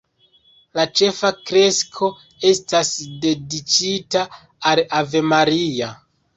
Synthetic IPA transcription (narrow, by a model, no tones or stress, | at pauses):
lat͡ʃe̞fakɾe̞skʰo̞ | e̞stasde̞dit͡ʃita | alave̞maɾia